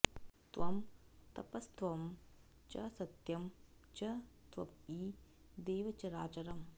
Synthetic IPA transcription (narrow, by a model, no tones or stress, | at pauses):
t̪ʋɐmt̪ɐpɐst̪ʋɐm | t͡ʃɐsɐt̪jɐm | t͡ʃɐt̪ʋɐ̰piː | d̪eːʋɐt͡ʃɐɾaːt͡ʃɐɾɐm